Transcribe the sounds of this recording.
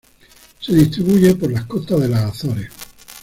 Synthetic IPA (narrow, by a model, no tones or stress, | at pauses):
se̞ðist̪ɾiβuʝe̞poɾlahko̞t̪aðe̞lasaθoɾe